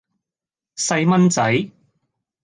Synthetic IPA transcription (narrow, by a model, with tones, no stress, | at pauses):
sɐ˧jmɐ˥nt͡sɐ˨˥j